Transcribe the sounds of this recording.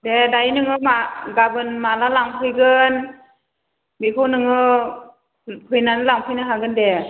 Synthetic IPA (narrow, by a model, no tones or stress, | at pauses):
dɛdajnɯŋɯmaɡabɯnmalalaŋpʰɯjɡɯn | bikʰonɯŋɯ | pʰɯjnanlaŋpʰɯjnaɦaɡɯndɛ